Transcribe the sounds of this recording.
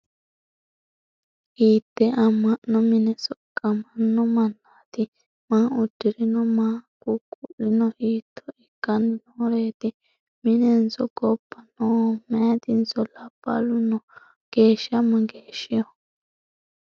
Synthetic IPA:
ʔiːt̪ːɛʔɐmːɐʔːɔmɪnɛsɔkʼːɐmɐnːɔmɐnːaːt̪ɪ | maːʊd̪ːɪɾɪnɔmaːkukʼːʊʔɪnɔʔiːt̪ʰːɔɛkːɐnːɪnoːɾeːt̪ɪ | mɪnɛnsɔɡɔpːɐnomɛːt̪ɪnsɔlapːɐ̰lʊnɔ | ɡ̥eːʃɐmɐɡeːʃːɪjɔ

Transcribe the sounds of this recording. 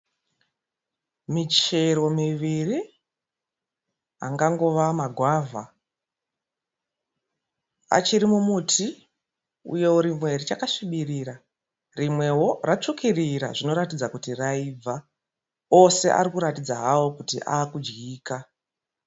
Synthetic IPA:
mit͡ʃe̞ɾo̞miʋiri | a̰ŋɡaŋɡo̞ʋamaɡʱwaːvʱa | a̰t͡ʃiɾimumuːtʰi | ṵje̞uɾimwe̞rit͡ʃakaʂiɓiriɾa | rimwe̞ɦo̞rat͡ʂukiriɾa̰ʐino̞ɾatid͡zakutiraib͡va | o̞se̞ʔa̰ɾikuɾatid͡zaɦawokutḭʔa̰ːkud͡ʒɡiːka

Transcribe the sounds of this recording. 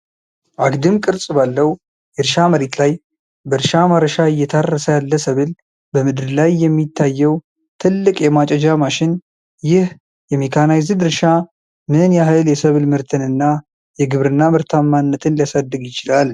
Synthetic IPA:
ʔaɡd̪ɨmkʼɨɾsʼbalːəw | jɛɾʃaməɾet̪laj | bəɾʃamaɾəʃaɨjːɛt̪ʰarːəsəjalːəsəβɨl | bəmɨd̪ɨɾlajːɛmːit̪ʰːajːɛw | t̪ʰɨlːɨkʼjɛmat͡ʃʼɛd͡ʒamaʃɪn | jɪh | jɛmekʰanajzɨd̪ɨɾʃa | mɨnjaɦɨljɛsəβɨlmɨɾt̪ʰɨnɨnːa | jɛɡɨβɾɨnːamɨɾt̪ʰamːanːət̪ʰɨnlijasad̪ːɨɡjɪt͡ʃɪlal

